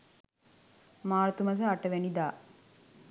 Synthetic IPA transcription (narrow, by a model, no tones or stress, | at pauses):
maːɾt̪umɐsɐɐʈːɐʋenid̪aː